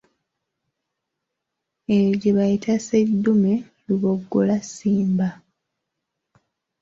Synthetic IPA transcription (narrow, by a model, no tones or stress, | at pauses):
eɟeβajitʰasedːume̞ | luβoɡːolasiːmba